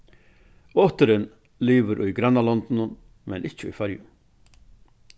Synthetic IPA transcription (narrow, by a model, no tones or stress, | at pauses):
ɔht̪əɾɪn | liːvəɾʔujɡɾanːalɔnt̪nʊn | mɛ̰nʔɪt͡ɕəʏ̰jfaɾjʊ̰